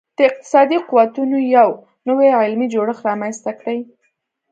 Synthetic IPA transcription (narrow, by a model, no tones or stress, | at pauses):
d̪̥əɪq̚t̪ɪ̥sɑd̪iquwat̪unojaw | nəweʕɪlmid͡ʒoɽəxɾɑmanst̪akɽəj